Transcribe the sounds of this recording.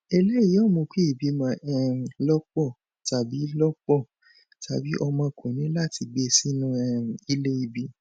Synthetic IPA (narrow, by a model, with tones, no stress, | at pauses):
ɛ˧le˦i˨˦ɔ˦˨mõ˧ke˦i˦˨bi˨˧˦mã˧˦ʔɛ˦˧˨lɔ˦k͡pɔ˦˨ | ta˨bi˨˦lɔ˦k͡pɔ˦˨ | ta˨bi˨˦ʔɔ˧mã˧kʰo˨nĩ˨˦la˦˨ti˧ɡ͡be˦˨si˦nũ˦ɛ˦˧˨i˦le˦i˨bi˧˦